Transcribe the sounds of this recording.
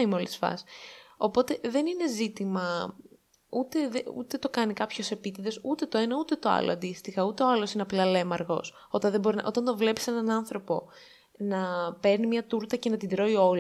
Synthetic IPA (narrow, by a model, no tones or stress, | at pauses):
imeolisfɐ̰so̞po̞t̪e̞ðe̞nine̞zit̪imɐ | ut̪e̞ðeṵt̪e̞t̪o̞kɐnikɐpço̞se̞pit̪iðe̞sut̪e̞t̪o̞enɐut̪e̞t̪o̞ɐ̰lo̰ɐnd̪ist̪ixɐut̪e̞oɐlo̞sineɐplɐle̞mɐɾɣo̞s | o̞t̪ɐnðebo̞ɾinʔo̞t̪ɐnt̪o̞vle̞pi̥se̞nɐnɐnθɾo̞po̞ | nɐpe̞ɾnimɲɐt̪uɾt̪ɐce̞nɐt̪id̪ɾo̞io̞l